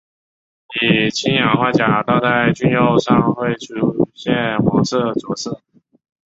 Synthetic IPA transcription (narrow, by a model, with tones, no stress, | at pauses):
i˨˩t͡ɕʰi˥njɑ˨˩ŋxwa˥˩t͡ɕja˨˩˦t̪ɑ˥˧t͡sa˥˧ɪt͡ɕy˥njo˥˧ʊʂɑ˥˧ŋxwe˥˧ɪʈ͡ʂʰu˥˩ɕjɛ˥˩nxwɑ˧˥ŋʂɤ˥˧t͡sɔ˨˩ʂ̩˥˩